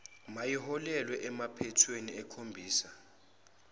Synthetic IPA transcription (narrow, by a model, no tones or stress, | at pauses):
majiɦɔlɛlwɛʔɛmapʰɛtʰweniɛkʰombʱiːsa